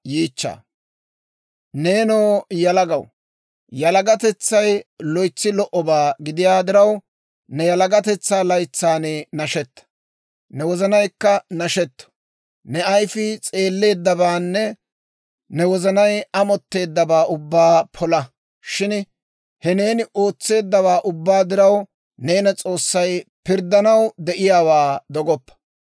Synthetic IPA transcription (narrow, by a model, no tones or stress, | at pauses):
jiːt͡ʃːa̰ː | ne̞ːnoːjɐlɐɡɐw | jɐlɐɡɐt̪ɛt͡sːɐjlɔjt͡sːɪlɔʔɔbaːɡɪd̪ɪjaːd̪ɪɾɐw | nɛjɐlɐɡɐt̪ɛt͡sːaːlɐjt͡sːaːneːnɐʃɛt̪ːɐ̥ | nɛwɔzɐnɐjkːɐnɐʃɛt̪ːɐ̥ | nɛɐjfɪt͡sʼe̞ːlːe̞ːd̪ːɐbaːnːɛ | nɛwɔzɐnɐjɐmɔt̪ːe̞ːd̪ːɐbaːʔʊbːaːpʰɔlɐ | ʃɪn | hɛne̞ːnɪʔo̞ːt͡sːe̞ːd̪ːɐβaːʔʊbːaːd̪ɪɾɐw | ne̞ːnɐt͡sʼo̞ːsːɐjpɪɾd̪ːɐnɐwd̪ɛʔɪjaːwaːd̪ɔɡɔpːɐ̥